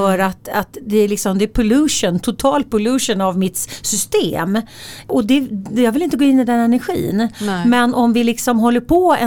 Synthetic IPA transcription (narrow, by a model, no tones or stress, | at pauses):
œːɾat̪at̪d̪ɛæɭɪksɔmd̪ɛæɾpʰʊlʉːʂənt̪ʰʊt̪ʰɑːl̚pʰʊlʉʂənavmɪt̪sʏst̪ḛːm | ɔd̪ɛjɑːɡvɪlɪnt̪əɡoːɪnːɪd̪ɛnɛnæɾɧḭːnmɛnʔɔmvɪlɪksɔmɦɔlːəɾpʰoːɛ̰